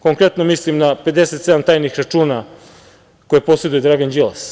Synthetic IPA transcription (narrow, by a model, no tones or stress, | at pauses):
ko̞ŋkɾet̪nomislimnape̞d̪eset̪sed̪amt̪aːjnixɾat͡ʂuːna | kojepo̞se̞d̪ujed̪ɾaɡand͡ʒilas